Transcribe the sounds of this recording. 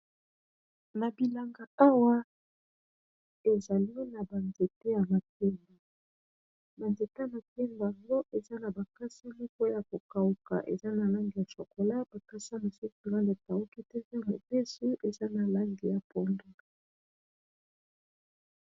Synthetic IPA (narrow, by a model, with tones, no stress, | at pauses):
na˨bi˨la˨ŋɡa˨a˦wa˦ | e˨za˨li˦na˨ba˨nde˨te˦ja˨ma˨p̚e˦mba˨ | ba˨nde˨te˦a˨ma˨te˦mba˨ŋɡo˦ʔe˨za˦na˨ba˨ka˦si˦lɔ˦ko˦ja˨ko˨ka˨u˨ka̰˨ʔe˨za˦na˨la˦ŋɡi˨ja˨so˨ko˨la˦ba˨ka˦sa˦ma˨su˦ki˨ɣa˦le˨ta˨u˦ki˦tɛ˦vɛ˦mo˨be˦su˦ʔe˨za˦na˨la˦ŋɡi˨ja˨pɔ˦ndo˦